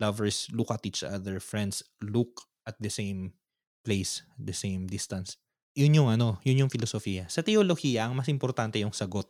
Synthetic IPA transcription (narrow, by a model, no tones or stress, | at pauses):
lɐvɛɹslʊkɐt̪iːt͡ʃʔɐ̰d̪ɛɹfɹɛ̃nd̪sluk̚ | ʔɐt̪̚d̪ɐsejm | plejs̚d̪ɐsejmd̪ɪst̪ɐns | jʊnjʊŋɐno̞jʊnjʊŋfɪlosofijɐsɐt̪ɛolohijɐʔɐŋmɐsʔɪmpoɾt̪ant̪ɛjʊŋsɐɡo̞t̪̚